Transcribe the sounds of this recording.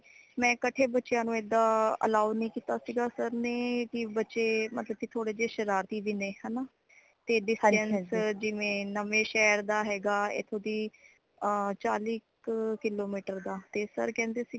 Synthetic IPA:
mɛ̃ːkəʈʰeːbətːʃjãːnũːed̪ːaːə̰laːunĩːkiːt̪aːsiːɡaːsəɾneːkɪbətːʃeːmət̪ləb̚kit̪ʰoːɽeːd͡ʒeːʃəɾaːɾt̪iːʋiːneːɦɛːnaː | t̪eːɖɪsʈɛnsd͡ʒɪʋẽːnəmẽːʃɛːɾd̪aːɦɛːɡaːḛːt̪ʰõːd̪iː | t͡ʃaːliːkkɪloːmiːʈəɾd̪aːt̪eːsə̰ɾkɛ̃ːnd̪eːsiː

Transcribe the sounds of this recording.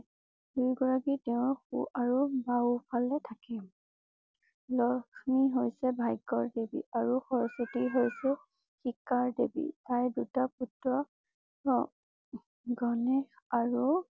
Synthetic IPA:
dujɡɔɹakitɛʊ̃xuʔaɹubawpʰalɛtʰakɛ | lɔkʰmiɦojsɛbʱajɡɔɹdebḭʔaɹuxɔɹsɔtiɦojsɛ | xikaɹdebḭtaɹdutaputɹɔ | ɡɔnɛx | aɹu

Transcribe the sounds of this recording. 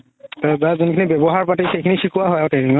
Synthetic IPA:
tabazɔnkʰinibɛbɔɦaɹpatixejkʰinisikʰuwaɦɔjatediŋɔ

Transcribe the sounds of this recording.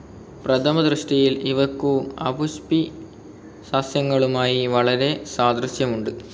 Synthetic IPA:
prɐt̪ʰɐmɐd̪rɨʂʈijiliʋɐkːuɐ̰buɕpi | saːsjɐŋːɐɭumaːjiʋɐɭɐɾe̞saːd̪rɐsjɐmuɳɖɨ

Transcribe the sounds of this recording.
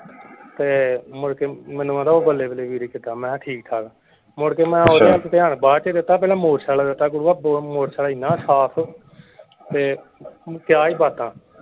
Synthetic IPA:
t̪eːmʊɽkeːmɛ̃ːnũãːd̪aːoːbəlːeːbəleːʋiːɾiːkɪt̪aːmɛ̃ːʈʰiːkt̪ʰaːɡaː | mʊɽkeːmɛ̃ːoːɾeːaːlt͡ʃt̪eːaɳbaːt͡ʃeːd̪ɪt̪ːaːpɛːlãːmoːɾsaːlaːd̪ɪt̪ːaːk̬ʊɽuːaːbmoːɾsaːlaːiːnãːsaːpʰː | t̪eː | kjaːiːbaːt̪ãː

